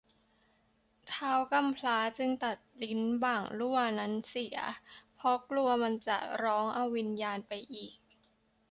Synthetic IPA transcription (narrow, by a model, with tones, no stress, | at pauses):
t̪ʰaː˦˥wka˧mpʰlaː˦˥t͡ɕɯ˧ŋt̪a˨˩t̪̚li˦˥nbaː˨˩ŋlu˥˩ɐna˦˥nsi˨˩˦ɐ̰˦pʰɔ˦˥klu˧ɐma˧nt͡ɕa̰˨˩ɾɔː˦˥ŋʔa˧wːi˧njaː˧npa˧jʔiː˨˩k̚